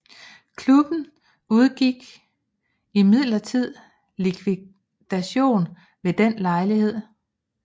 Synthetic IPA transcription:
kʰlub̥n̩ | uð̞ˠɡ̥iɡ̥ | imið̞̰ˠlɐt͡sʰið̰ˠ | likʰʋi | d̥æɕo̝̰ːn | ʋe̝d̥enlɑ̈ɪlihe̝ð̞̰ˠ

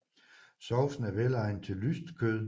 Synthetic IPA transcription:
sɒʊfn̩æʋelɑ̈ɪnt͡sʰe̝llysd̥kʰøðˠ

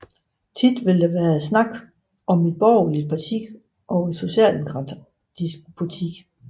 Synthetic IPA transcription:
t͡sʰid̥ʋe̝ld̥ɑʋæːɐsnɑ̈ɡ̥ | ʔɒ̽mid̥̚b̥ɒʊ̰lid̥̚pʰɑ̈t͡sʰiɡ̥ | ʔɒ̽ʊed̥so̝ɕɛ̰ːldemoɡʰʁɑ | disɡ̥pʰut͡sʰiɡ̥

